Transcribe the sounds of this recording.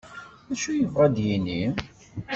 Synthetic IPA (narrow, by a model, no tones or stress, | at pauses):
æʃujəvʁæd̪jini